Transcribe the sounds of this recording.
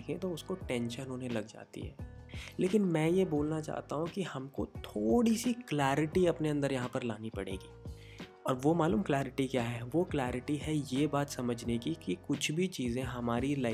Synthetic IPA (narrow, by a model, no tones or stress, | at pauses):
kʰẽt̪oʊskoʈɛ̃ːnʃə̃nɦoːnelɐɡd͡ʒa̰ːt̪ḭɦɛ̰ː | leːkɪnmɛ̃ːjeboːlnat͡ʃa̰ːɦt̪aɦũkihɐmkot̪ʰoːɽisiklaːɾɪʈiɐpneɐ̃nd̪əɾjɐɦãpɐɾla̰ːnipɐ̰ɽḛːɡiː | ɔːɾʋomaːluːmklaːɾɪʈikjaːɦɛʋoklɛːɾɪʈiɦɛjeːbaːt̪sɐməd͡ʒʱnekikikʊt͡ʃʰbʱit͡ʃiːzẽɦɐmaːɾila